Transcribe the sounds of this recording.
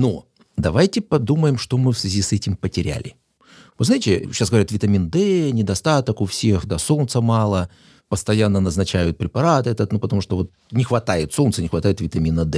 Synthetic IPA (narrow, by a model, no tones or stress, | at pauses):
no | d̪ɐvajtʲɪpɐd̪uməjɪmʂt̪o̞mɨfsvʲɪzʲisɛtʲɪmpətʲɪɾʲæ̰lʲɪ̰ | vɨznajɪtʲɪɕasɡəvɐɾʲat̪vʲɪt̪ɐmʲind̪ɛnʲɪd̪ɐst̪at̪əkʊfsʲe̞xd̪aso̞nt̪səmɑlˠə | pəst̪ɐjanːənəznɐt͡ɕæjʊt̪̚pɾʲɪpɐɾat̪ɛt̪ət̪nupət̪ɐmuʂt̪ovo̞t̪̚ | nʲɪxvɐt̪ajɪt̪so̞lt̪sənʲɪxvɐt̪ajɪt̪vʲɪt̪ɐmʲinəd̪ɛ